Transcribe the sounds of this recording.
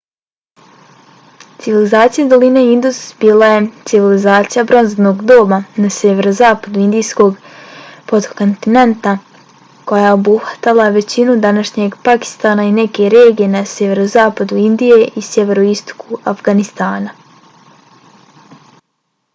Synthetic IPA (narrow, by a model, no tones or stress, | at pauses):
t̪siʋilizaːt̪sijad̪o̞lineind̪usbiːlˠaje̞t̪siʋilizaːt̪sijabɾo̞nzno̞ːɡd̪o̞ːmanasjeʋe̞ɾo̞zaːpad̪uind̪iːsko̞ɡpot̪ko̞nt̪ine̞nt̪a | ko̞jajeo̞buhʋḁt̪alˠaʋe̞t͡ɕinud̪anaʃɲe̞ɡpaki̥st̪aːnaineke̞ɾe̞ːɡije̞nasjeʋe̞ɾozaːpad̪uind̪ije̞ʔisjeʋe̞ɾoist̪o̥kʰuafɡanist̪aːna